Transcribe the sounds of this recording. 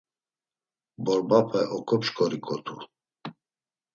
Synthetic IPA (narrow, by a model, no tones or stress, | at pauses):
bɔɾbapʰɛʔɔkʰɔpʃkʰʼɔɾikʰʼɔt̪ʰu